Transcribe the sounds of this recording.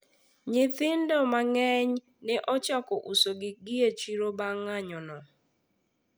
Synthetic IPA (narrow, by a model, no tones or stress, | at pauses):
ɲɪt̪ɪndɔmaŋɛɲ | nɛʔɔt͡ʃakɔʔusoɡɪɡiet͡ʃiɾobaŋaɲɔnɔ